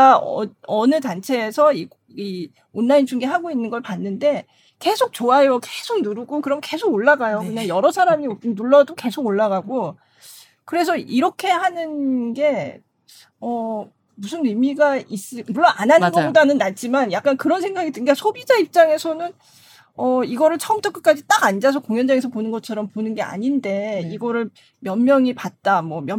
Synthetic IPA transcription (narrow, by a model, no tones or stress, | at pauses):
aʌnɯtant͡ɕʰe̞ːsʰʌi | i | onːaint͡ɕʰuŋɡeɦaɡoinːɯnɡʌɭpanːɯnde̞ | ke̞sʰok̚t͡ɕoajoke̞sʰok̚nuɾuɡokɯɾʌmke̞sʰoɡoɭːaɡajokɯndejʌɾʌsʰaɾaminuɭːʌdoke̞sʰoɡoɭːaɡaɡo | kɯɾe̞sʰʌiɾʌkʰe̞hanɯnɡe̞ | ʌ | musʰɯnɯmiɡais͈ɯmuɭːonananɡdanɯnːat͡ɕ͈imanjak̚k͈ankɯɾʌnsʰeŋɡaɡidɯɡasʰobid͡ʑaip̚t͡ɕ͈aŋe̞sʰʌnɯn | ʌiɡʌɾɯɭt͡ɕʰʌʌmt͡ɕ͈ʌkɯk͈ad͡ʑit͈aɡand͡ʑas̬ʰʌkoŋjʌnd͡ʑaŋesʰʌponɯnɡʌt͡ɕʰʌɾʌmponɯnɡe̞a̰ɲinde̞iɡʌɾɯɭ | mjʌnmjʌŋipat̚t͈amwʌmjʌ